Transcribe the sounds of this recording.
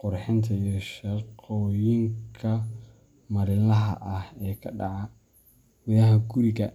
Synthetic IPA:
qʊrħɪnt̪ʰɐijɔʃɐqɔːjɪŋkʰɐ | mɐɾɪlɐɦɐ̰ʔɐhɛːkʰɐɖɑʕɑ | wɪðɐɦɐɡʊɾɪɣɐ

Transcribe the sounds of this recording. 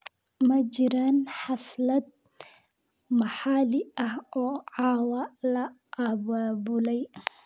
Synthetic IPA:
mɐd͡ʒɪɾaːnħaflɐd̪̚ | mɐħalɪɐhɔːʕaːwɐlɐʔabaːbʊlɛj

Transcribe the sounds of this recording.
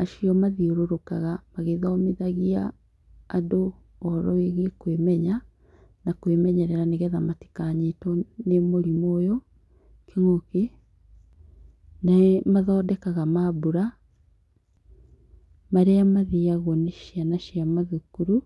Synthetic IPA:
aʃiɔmaðioɾoɾokaɣamaɣeðɔːmeðaɣiaː | do | ɔɾɔeɣekwemɛɲa | nakwemɛɲɛɾɛɾaneɣɛðamati̥kaɲetɔnemoɾimoːjo | kʰeŋoke | naɛmaðɔːdɛkaɣamabuɾa | maɾeamaðiaɣɔneʃianaʃiamaðukuɾu

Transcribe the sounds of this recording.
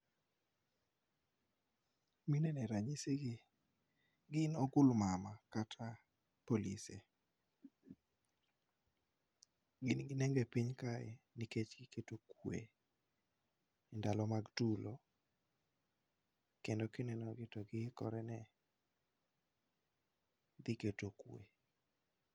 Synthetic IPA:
minɛnɛɾaɲiseɡi | ɡɪnɔɡʊlmamakatʰa | polḭsḛ | ɡɪnɡɪnɛŋɡepiɲkaɛ̰niket͡ʃɡɪketokwḛ | indalɔmaɡtulo | kendɔkɪnɛnɔɡɪtɔɡɪkɔɾɛnɛ | d̪ɪketokwḛ

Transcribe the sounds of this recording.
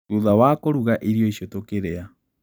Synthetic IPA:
tuðawakoɾuɣaʔiɾjoiɕjotokeɾea

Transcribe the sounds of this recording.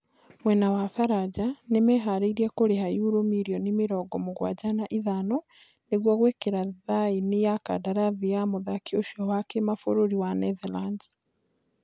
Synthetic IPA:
mwenawafaɾad͡ʒanemeɦaɾeiɾiekoɾehajuɾomiɾionimiɾoɡomuɣwa̰ɟanaʔiðano | neɡwoɣwekeɾaðainijaka̰daɾaðijamoðakioʃiowakemafoɾuɾiwaneðaland

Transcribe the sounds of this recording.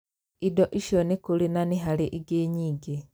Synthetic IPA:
idoʔiʃonikulinaniɦaliʔiɡeːɲiːɡe

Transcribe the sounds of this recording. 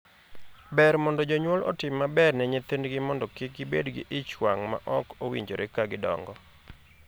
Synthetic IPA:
bɛɾmɔndɔd͡ʒoɲwɔlɔ̰tɪmːabɛrnɛɲet̪endɡɪmɔndɔkɪkɡɪbḛdɡɪ̰ʔɪt͡ʃwaŋma̰ʔɔkowiɲd͡ʒoɾʔɛkaɡɪdɔ̰ŋɡɔ

